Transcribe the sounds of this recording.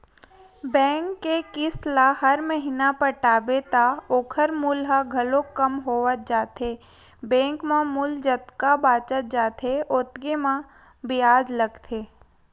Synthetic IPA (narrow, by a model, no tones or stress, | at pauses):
bɛ̃ːŋkːekɪslaɦɐɾməɦiːnapəʈaːbet̪aoːkʰəɾmʊlɦaɡʱɐlõkəmɦoːʋət̪̚d͡ʒaːt̪e | bɛ̃ːŋkmãmʊld͡ʒət̪kabaːt͡ʃət̪̚d͡ʒaːt̪eʔot̪ɡemã | bɪjaːd͡ʒləɡt̪ʰeː